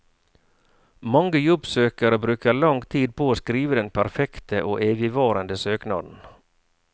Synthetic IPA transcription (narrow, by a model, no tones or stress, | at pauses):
mɑŋɡəjɔbsøːkɑɾəbɾʉːkəɭɑŋt̪ʰiːd̪̚pʰoːoːskɾiːʋəd̪ɛnpʰæɾfɛkt̪əʔoːʔeːʋɪʋɑːɾənd̪əsøːknɑ̰ːd̪n̩